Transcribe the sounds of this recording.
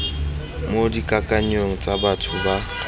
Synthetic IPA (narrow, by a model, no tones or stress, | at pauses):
modikʼakʼaɲoŋ̩t͡sʼabatʰʊba